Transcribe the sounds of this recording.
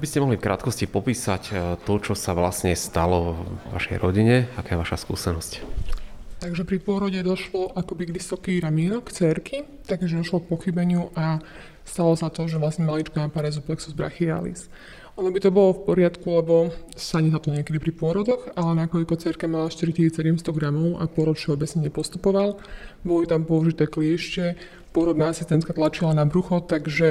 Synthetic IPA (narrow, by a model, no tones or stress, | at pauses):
abiscɛmɔɦlifkɾa̰t̪kɔscipɔpiːsact̪ɔt͡ʃɔsaʋla̰sɲɛst̪alɔɔʋa̰ʃɛ̰jɾɔɟiɲɛakaːjɛʋaʃaskṵːsɛnɔsc | t̪aɡʒɛpɾipʊɔɾɔɟɛd̪ɔʃlɔʔakɔbiɡʋisɔkiɾamiːnɔkt͡sɛɾki | t̪aɡʒɛd̪ɔʃlɔk̚pɔxibɛɲɪuʔa | st̪alɔsat̪ɔʒɛʋlasɲɛmalit͡ʃkɔnapaɾɛzuplɛksuzbɾa̰xia̰lḭs | ʔɔnɔbit̪ɔbɔlɔfpɔɾɪat̪kulɛbɔsaɲiɦat̪ɔɲɪɛkɛd̪ipɾipʊɔɾɔd̪ɔxalɛnakɔʎkɔt͡sɛɾkamalaʃt̪iɾict̪isisɛɟɛmst̪ɔɡɾamɔʊʔa̰pʊɔɾɔt̪ʃɛɔbɛt͡sɲɛɲɛpɔst̪upɔʋalbɔlɔit̪ampɔuʒit̪ɛːkliɛʃt͡ʃɛ | pʊɔɾɔd̪naasist̪ɛnt̪kat̪lat͡ʃilanabɾuxɔt̪aɡʒɛ